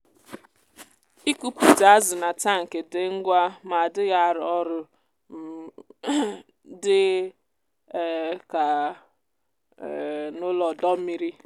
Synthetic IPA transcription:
i˦ku˦pu˨ta˨a˦zʊ˨na˨ta˦˨ŋ̩˨ke˨dɪ˦ŋ̩˦ɡʷa˦ma˨dɪ˦ɣa˦˨ɾɔ˦ɾʊ˨˦ | dɪ˦˨ | ka˨ | nʊ˦lɔ˨dɔ˦m̩˦mi˦ɾi˦

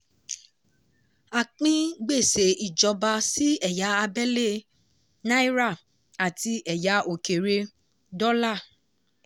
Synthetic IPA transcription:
a˨k͡pĩ˦ɡ͡be˦˨se˨˦i˨d͡ʒɔ˧ba˧si˦ɛ˦˨ja˨˦a˧bɛ˦le˦˨ | na˦i˦ɾa˦˨ | a˨ti˧ʔɛ˨ja˨˦ʔo˨ke˨ɾe˧ | dɔ˦la˦˨

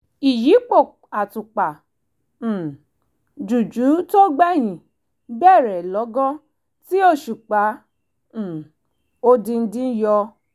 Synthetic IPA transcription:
i˨ji˨˦k͡po˦˨ | a˨tu˨k͡pã˨ | d͡ʒu˨d͡ʒu˨˦to˦ɡ͡bɛ˦˨j̃ĩ˨ | bɛ˦˨ɾɛ˨lɔ˨˦ɡɔ̃˦ | ti˦o˦˨ʃu˨k͡pa˨˦˨ | o˦dĩ˧n̩˦dĩ˦jɔ˧

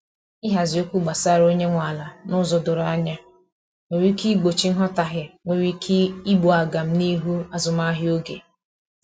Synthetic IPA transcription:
ɪ˦ɦa˨zi˨o˦kʷu˦ɡ͡ba˨sa˦ɾo˦ɲe˦ŋʷa˨la˨nʊ˦zɔ˨dʊ˨ɾa˦ɲa˦ | ŋe˨ɾi˦ki˦ɡ͡bo˨t͡ʃi˦n̩˦ɦɔ˦ta˨ɦɪ˨ŋʷe˨ɾi˦i˦ɡ͡bu˨a˨ɡa˨m̩˦ni˦ɦu˦a˨zʊ˨ma˦ɦɪ˦o˦ɡḛ˨

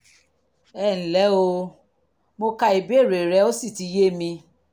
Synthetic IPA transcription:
ɛ˦˨n̩˨lɛ˨˦o˧ | mo˧ka˧i˨bi˦e˦˨ɾe˨ɾɛ˨˦o˦si˦˨ti˨˧˦je˦mĩ˧

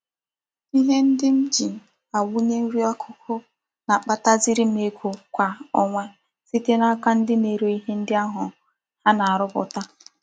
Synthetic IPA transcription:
i˦ɦe˦n̩˦dɪ˦m̩˦d͡ʒi˨ | a˨wu˦ɲe˦n̩˦ɾi˦a˦kʰʊ˦kʰʊ˦ | na˨k͡pa˨ta˦zi˦ɾi˦m̩˦e˨kʷo˨kʷa˨ɔ˨ŋʷɛ˦ | si˦te˦na˦ka˦n̩˦dɪ˦me˨ɾo˨i˦ɦe˦n̩˦dɪ˦a˦ɦʊ˨ | ha˦na˨a˨ɾʊ˦bʊ̰˨ta˦

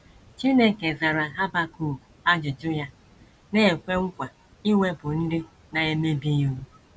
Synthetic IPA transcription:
t͡ʃi˦ne˦ke˨za˨ɾa˨ɦa˦ba˦ku˦˨a˦d͡ʒʊ˨d͡ʒʊ˦ja˦ | ne˦e˨kʷe˦ŋ̩˦kʷa˨ | i˦we˦bʊ˨n̩˦dɪ˦ | na˨e˦me˦bi˦jo˦u˦

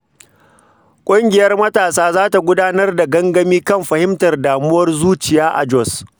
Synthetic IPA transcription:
kʷʼʊ˦ŋɡʲɪ˨jɐ˦rmɐ˦taː˨saː˦zaː˦ta˨ɡʷʊ˦daː˦nɐ˦rda˨ɡɐ˦ŋɡɐ˦miː˦kɐ˦mɸɐ˨hɪ˦mtɐ˨rdaː˨mʊ˦wɐ˦rzuː˦t͡ʃɪ˨jaː˦ʔa̰˨d͡ʒɔ˦˨s

